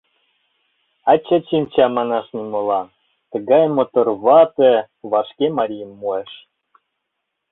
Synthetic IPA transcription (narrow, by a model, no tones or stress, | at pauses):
ɑt͡ɕːɑt͡ɕimʲt͡ɕɑmɑnɑʃnimolɑ | t̪ə̆ɡɑjmot̪orβɑt̪ĕ | βɑʃkʲemɑɾʲijəmːueʃ